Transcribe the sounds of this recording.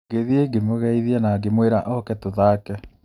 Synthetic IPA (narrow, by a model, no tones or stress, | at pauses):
ɡeðieɡemoɣɛiðianaɡemweɾaʔɔkɛtoðaːkɛ